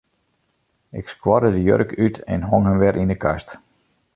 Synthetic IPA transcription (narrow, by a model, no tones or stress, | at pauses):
ɪkskwɔrdədəjø̰rəkʰytʰɛ̰nɦoŋɦəmʋɛɾʔindəkast